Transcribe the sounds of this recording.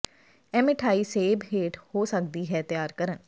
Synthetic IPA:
ɛmɪʈʰaːiːseːbɦeːʈhoːsəkd̪iːɦɛːt̪jaːɾkəɾən

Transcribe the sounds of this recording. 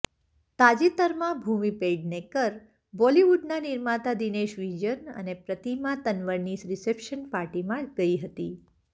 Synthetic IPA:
t̪ad͡ʒit̪əɾmãbʱumipeɖnekəɾ | bɔliʋuɖnaniɾmat̪ad̪ineʃʋid͡ʒənə̰nepɾət̪imãt̪ənʋəɽnisɾɪsepʃənpaɾʈimãɡəiɦət̪i

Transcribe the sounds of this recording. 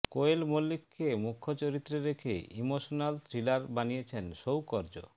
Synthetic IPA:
koelmolːikʰːemukʰːot͡ɕoɾit̪ːɾeɾekʰḛimoʃonalt̪ʰɾilaɾbanijet͡ɕʰenʃowkɔɾd͡ʑo̰

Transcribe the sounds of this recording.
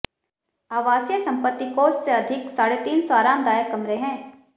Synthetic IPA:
aːʋaːsjəsɐ̃mpət̪ːikoːsseɐd̪ʱɪksaːɽet̪iːnsaːɾaːmd̪aːjəkːɐmɾeɦɛ̃ː

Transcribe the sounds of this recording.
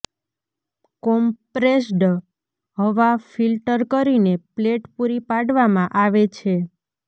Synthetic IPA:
kɔmpɾesɖ | ɦəʋafilʈəɾkəɾinepleʈpuɾipaɽʋamãʔaʋet͡ʃʰe

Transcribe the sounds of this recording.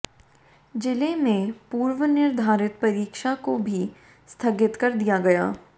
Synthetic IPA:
d͡ʒɪlemẽpuːɾʋənɪɾd̪ʱaːɾɪt̪pɐɾiːkʃakobʱi | st̪ʰɐɡɪt̪kɐɾd̪ijaɡɐja̰ː

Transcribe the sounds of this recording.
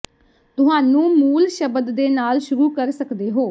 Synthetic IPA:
t̪ʊɦaːnũːmuːlʃəbd̪ːeːnaːlʃʊɾuːkəɾsəkd̪eːɦoː

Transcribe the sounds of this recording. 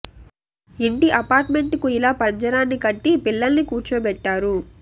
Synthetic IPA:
iɳʈiʔɐpaːɾʈme̞ɳʈukuilaːpɐɲd͡ʒɐɾaːnːikɐʈːipilːɐlnikuːɾt͡ʃuːbɛʈːaːɾu

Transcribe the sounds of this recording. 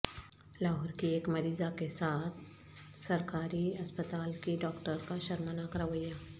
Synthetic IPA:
laːɦɔːɾkieːkmɐɾiːzakesaːt̪ʰ | sɐɾkaːɾiɐspət̪aːlkiɖɔːkʈəɾkaʃɐɾmanakɾɐʋəjaː

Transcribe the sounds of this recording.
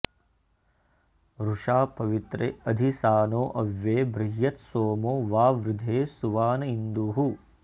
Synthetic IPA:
ɾuʂaːpɐʋit̪ɾḛːɐd̪ʱisaːnoːʔɐʋjeːbɾiɦjɐt̪soːmoːʋaːʋɾɪd̪ʱeːsuʋaːnɐind̪uːɦu

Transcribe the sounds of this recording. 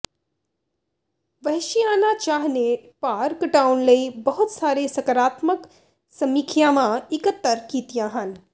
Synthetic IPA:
ʋɐɦʃijaːnat͡ʃaːɦnepaːɾkʈaːwnləibɐɦʊt̪saːɾesɐkəɾaːt̪mək | sɐmikʰjamãɪkət̪ːəɾkiːt̪ijãɦən

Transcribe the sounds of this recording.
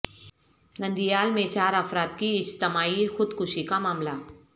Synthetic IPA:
nɐ̃nd̪ijaːlmẽt͡ʃaːɾɐfɾaːt̪kiɪt͡ʃt̪ɪmaːixʊd̪kʊʃikamaːmla

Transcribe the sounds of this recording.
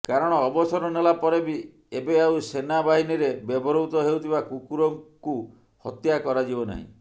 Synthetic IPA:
kaɾɔɽ̃ɔːbɔsɔɾɔnelapɔɾebi | ebeawsenabaɦiniɾebjebɔɾɔut̪ɔɦewt̪ʰibakukuɾɔŋku | hɔt̪jakɔɾad͡ʒibɔna̰ɦḭ̃

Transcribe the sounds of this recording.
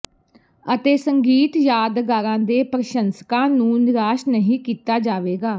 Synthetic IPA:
ət̪eːsəŋɡiːt̪jaːd̪ɡaːɾãːd̪eːpɾəʃənskãːnũːnɪɾaːʃnəɦĩːkiːt̪aːd͡ʒaːʋeːɡaː

